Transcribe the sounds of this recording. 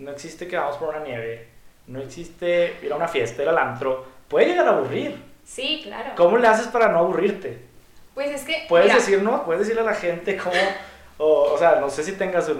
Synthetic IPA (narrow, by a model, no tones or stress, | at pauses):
no̞e̞ksist̪ekeβamospoɾunanje̞βe̞no̞eksist̪eiɾaunafje̞st̪aelalant̪ɾo̞pwe̞ðeʝeɣaɾaːβuriɾsikla̰ɾoko̞mo̞le̞as̬e̞spaɾano̞aβuriɾt̪epweseskepweðezðesiɾnopweðzðesiɾlealaxe̞nt̪ekʰomo | ooseano̞se̞s̬it̪e̞ŋɡasu